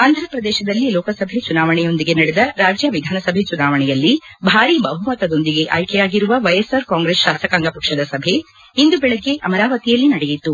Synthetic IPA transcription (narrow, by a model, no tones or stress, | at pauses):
aːnd̪ʱɾɐpɾɐd̪ɛːʃɐd̪ɐlːilɔːkɐsɐbʱet͡ʃunaːʋɐɳɛjo̞nd̪iɡe̞nɐɽed̪ɐɾaːd͡ʒjɐʋid̪ʱaːnɐsɐbʱet͡ʃunaːʋɐɳɛjɐlːibʱaːɾibɐɦumɐt̪ɐd̪o̞nd̪iɡe̞ʔɐ̰jkɛjaːɡiɾuʋɐʋɐjesɐɾkaːŋɡɾesʃaːsɐkaːŋɡɐpɐkʂɐd̪ɐsɐbʱe̞ | ind̪ubɛɭeɡːe̞ʔɐmɐɾaːʋɐt̪ijɐlːinɐɽɛjit̪ːu